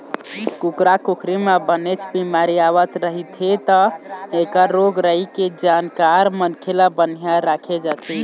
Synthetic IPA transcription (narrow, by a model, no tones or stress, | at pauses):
kukɾakukʰɾimebənet͡ʃʰbimaɾiaβət̪ɾəɦit̪ʰit̪əekəːoɡɾəiked͡ʒankaɾmənkʰelabənjaɾakʰed͡ʒat̪ʰi